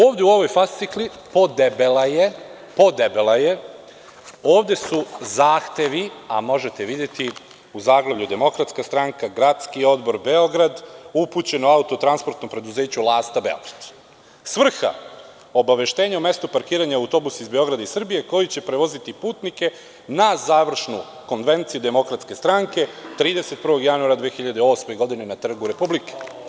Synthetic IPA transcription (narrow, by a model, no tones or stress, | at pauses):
oːʋd̪euo̞ʋo̞jfast̪sikli | po̞d̪ebelaje | po̞d̪ebelˠaje̞ | o̞ːʋd̪e̞suzaːxt̪e̞ʋiamo̞ʒe̞t̪e̞ʋid̪je̞t̪i | uzaːɡlˠeʋʎud̪e̞mo̞kɾat̪skast̪ɾaŋkaɡɾat̪skio̞d̪bo̞ɾbe̞o̞ɡɾad̪uput͡ɕe̞noaut̪ot̪ɾanspɾt̪nompɾe̞d̪uze̞ːt͡ɕulˠaːst̪abe̞̰o̞̰ɡɾad̪̥ | sʋr̩xa̰ | o̞baʋe̞ʃt̪e̞ːɲaume̞st̪upaɾkiːɾaɲaaut̪o̞busaizbe̞o̞ɡɾad̪aisr̩bije̞ko̞jit͡ɕe̞pɾeʋo̞zit̪ipuːt̪nike̞ | nazaːʋr̩ʃnu | ko̞nʋe̞nt̪sijud̪e̞mo̞kɾat̪ske̞st̪ɾaŋke̞t̪ɾiːd̪e̞se̞t̪̚pr̩ʋo̞ɡjanuaɾad̪ʋeexiʎad̪eo̞ːsme̞ɡo̞d̪ine̞nat̪r̩ɡuɾe̞publike̥